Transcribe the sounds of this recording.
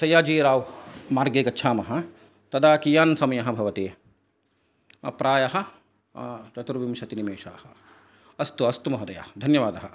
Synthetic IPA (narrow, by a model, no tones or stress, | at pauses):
sɐjaːd͡ʒiːɾaːwmaːɾɡeːkɐtːʃʰaːmɐɦɐ̆ | t̪ɐd̪aːkijaːnsɐmɐjɐɦɐ̆bʱɐʋɐt̪eː | ɐ̰pɾaːjɐɦɐ̆ | t͡ʃɐt̪ɾuʋimʃɐt̪inimeːʃaːhɐ | ɐst̪uɐst̪umɐɦɐd̪ɐja̰ɐd̪ʱɐnjɐʋaːd̪ɐɦɐ